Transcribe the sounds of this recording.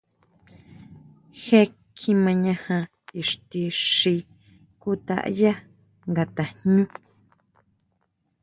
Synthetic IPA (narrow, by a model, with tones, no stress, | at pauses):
xe˦ | kʰĩ˦mã˧ɲã˧hã˧ | i˨ʂt̪i˧ʂi˧ | ku˦t̪a̰˦˨ʔja˦ | ŋɡa˧t̪a˨ɲɲũ˦